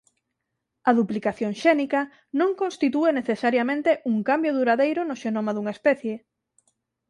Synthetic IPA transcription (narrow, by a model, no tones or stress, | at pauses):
ɐðuplikaθjoŋʃɛnikɐ | nõŋkõnst̪it̪ueneθesaɾjamẽnt̪eʔuŋkambjoðuɾaðejɾʊnʊʃenomaðuŋaespɛθje